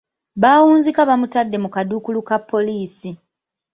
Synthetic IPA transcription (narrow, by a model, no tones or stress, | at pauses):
βaːwuːnzikaβamutadːe̞mukadukulukapːo̞liːsi